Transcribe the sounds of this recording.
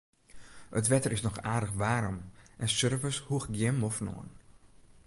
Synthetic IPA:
ətʋɛtərɪsnɔxaːdəxʋaːɾɔmʔɛnsørvəshuəxɡjɪmɔfno̰ən

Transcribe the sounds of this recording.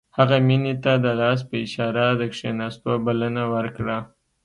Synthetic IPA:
haɣaminet̪ad̪əlɑs̬pəɪʃɑɾad̪əkʂenɑst̪obalənawəɾkɽa

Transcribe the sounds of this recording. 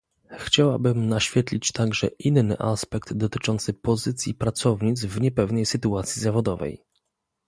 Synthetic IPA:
xt͡ɕawa̰bɘmnaɕfʲjɛt̪lʲit͡ɕt̪aɡʐɛ̰ʔinːɘ̰ʔaspɛk̚d̪d̪ɔt̪ɘt͡ʂɔnt̪sɘpɔzɘt̪sʲjipɾat̪sɔvɲit̪zvɲɛpɛvnɛjsɘt̪uat̪sʲjizavɔd̪ɔvɛ̰j

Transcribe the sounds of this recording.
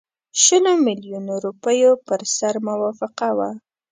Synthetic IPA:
ʃəlomɪljunoɾupəjopəɾsaɾmʊwɑfɪqawa

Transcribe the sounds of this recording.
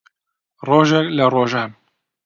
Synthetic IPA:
roːʒɛkləroːʒaːm

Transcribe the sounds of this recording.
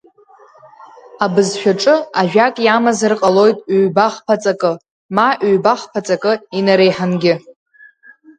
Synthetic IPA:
abɨzʃᶣaʈ͡ʂʼɨaʒᶣakʼjamazɨrqʼalo̞jtʼɥbaχpʰat͡sʼakʼɨ | maʔɥbaχpʰat͡sʼakʼɨinaɾejħanɡʲɪ

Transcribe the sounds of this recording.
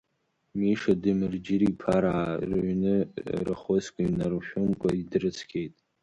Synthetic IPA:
miʂadɨmɨrd͡ʒɪɾipʰaɾaːrʕnɨrɨχoskʷʼaɥnarʃᶣʊmkʷʼaidrɨt͡sʰkʲʰʼejtʼ

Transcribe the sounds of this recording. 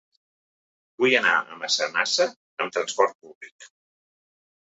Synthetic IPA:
bujəna̰ə̰məsənasə | əmt̪ɾənspɔɾt̪̚puβlik

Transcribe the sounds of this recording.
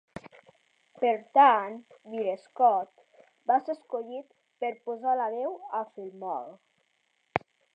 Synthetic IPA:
peɾt̪anbiɾeskɔt̪ | baseskoʎit̪ | peɾpozalaβɛwafilmɔ̰l

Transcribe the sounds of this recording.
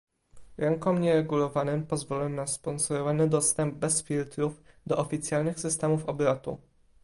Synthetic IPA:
ɾɛŋkɔmɲɛɾɛɡulɔvanɘmpɔzvɔlɛnaspɔnsɔɾɔvanɘd̪ɔst̪ɛmb̚bɛsfʲilt̪ɾuv | d̪ɔʔɔfʲit̪sʲjalnɘxsɘst̪ɛmufɔbɾat̪ṵ

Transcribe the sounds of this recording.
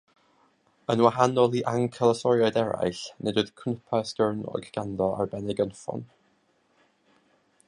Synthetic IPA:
ənwaɦanɔlˠiʔaŋkʰəlˠəsɔɾjajdɛɾa̰ɨɬnedʊɨð̥kʰnəpʰastɛrnɔ̰̥ɡ̥andɔa̰rbɛnɛɡənfɔ̰n

